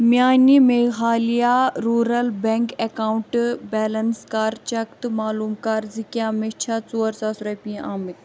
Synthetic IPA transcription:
mʲjaːnimeːɣaːlijaɾuːɾɐlbeŋkekaːuɳʈbɛːlɐnskaːɾt͡ʃɐkt̪maːluːmkaːɾzikjãːmet͡ʃʰat͡suːɐɾsaːsɾɐpĩʔaːmik

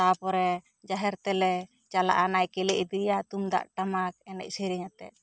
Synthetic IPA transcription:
t̪apɔɾɛ | d͡ʒaɦɛɾt̪ɛlɛ | t͡ʃala̰ʔanajkɛlɛʔid̪ijat̪umd̪a̰ʔʈamak̚ɛnɛ̰c̚ˀsiɾiɲat̪ɛ̰ʔ̪̚

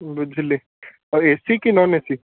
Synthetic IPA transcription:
bəd͡ʒʱle | esikinɔnesi

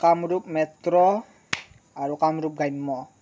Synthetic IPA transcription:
kamɾup̚mɛt̪ɾɔ | aɾukamɾup̚ɡajmːɔ

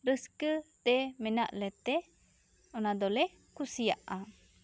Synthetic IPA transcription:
ɾəskət̪ɛmɛna̰ʔlɛt̪ɛ | ɔnad̪ɔlɛ | kusijaʔa

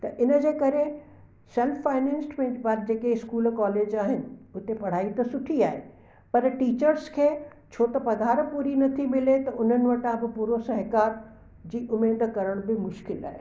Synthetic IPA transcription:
t̪ɐʔɪnə̆d͡ʑeːkɐɾe | sɛlfːaːɪnɛ̃ːnsmẽʋɐɾd͡ʑeːkeɪskuːlkaːleːd͡ʑaːɦɪnɪ̆ʊt̪epɐɽ̤aːit̪ɐsʊʈʰiaːɦḛ | pɐɾʈiːt͡ɕəɾskʰeː | t͡ɕʰoːt̪ɐpɐd̪ʱaːɾpuːɾinɐt̪ʰimɪlet̪ɐʊn̤ənɪ̆ʋɐʈãbɪpuːɾosɐɦkaːɾ | d͡ʑiːʔʊmeːd̪kɐɾəɽ̃bɪmʊʃkɪla̰ːɦeː

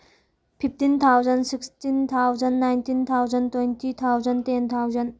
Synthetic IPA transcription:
pʰift̪int̪ʰawzənsɪkstint̪ʰawzanːajnt̪ʰint̪ʰawzənt̪went̪ʰit̪ʰawzɐnt̪ent̪ʰawzən

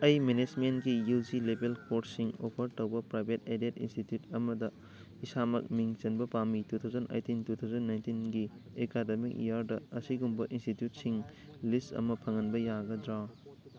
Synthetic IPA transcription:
ɐjmened͡ʒmenɡijud͡ʒilebelkoɾtsiŋo̰pʰɐɾtɐwbɐpɾajbʱetedetḭnstitjutɐmɐdɐ | isamɐ̰k̚miŋt͡ʃɐnbɐpamitut̪ʰawd͡ʒɐnʔɐ̰jtintut̪ʰawd͡ʒɐnːajntinɡiekademikḭjaɾdɐɐsiɡumbɐʔinstitjut̚siŋ | listɐ̰mɐpʰɐŋɐnbɐjaɡɐdɾaw

